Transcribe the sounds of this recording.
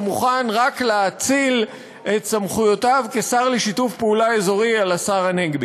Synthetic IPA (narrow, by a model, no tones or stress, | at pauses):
muχanʁakleat͡sil | ʔe̞tsamχujo̞tavkesaʁleʃitufpeulae̞zo̞ʁialasaʁaneɡbi